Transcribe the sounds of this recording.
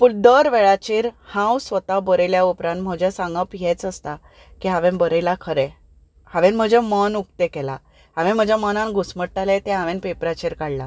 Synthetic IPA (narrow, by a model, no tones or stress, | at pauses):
puɳd̪əɾʋɛɭat͡ɕiːɾhãwsʋət̪abəɾeljaupɾãnt̪̚m̤əd͡ʑɛsãŋɡəpjɛt͡səst̪a | kiɦaʋẽnbəɾəlakʰəɾɛ | haʋẽnm̤əd͡ʑɛmənuk̚t̪ekɛla̰ | ɦãʋẽm̤əd͡ʑjamənãnɡusməɽʈalet̪ɛ̃ɦaʋẽnpepɾat͡ɕiɾkaɽla